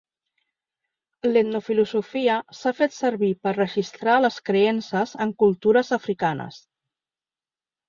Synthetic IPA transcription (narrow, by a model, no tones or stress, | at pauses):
let̪nufiluzufiəsafet̪səɾβipərrəʒist̪ɾaləskɾeensəzəŋkulˠt̪uɾəzəfɾikanə̰s